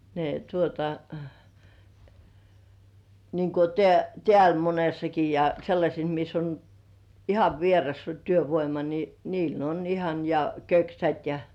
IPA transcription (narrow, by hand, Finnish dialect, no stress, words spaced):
ne tuotɑ niːŋ ku teæ tĕæˑl monesːɑki jɑ selːɑsʲes mis on ihɑʋ ʋierɑstɑ tyøʋoimɑ ni niːl on ihɑn jɑ køksæt jɑ